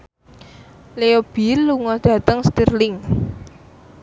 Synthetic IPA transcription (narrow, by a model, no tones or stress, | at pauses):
leob̥ilːuŋɔd̪̥ä̤t̪əŋst̪irlɪŋ